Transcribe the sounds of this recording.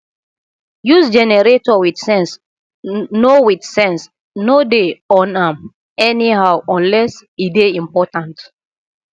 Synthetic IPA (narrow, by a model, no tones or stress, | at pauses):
jusd͡ʒɛnɛɹetɔwidsɛ̃ns | nowidsɛ̃ns | nodeɔ̃nãm | ɛniɦawʔɔ̃nlɛsideĩmpɔtãnt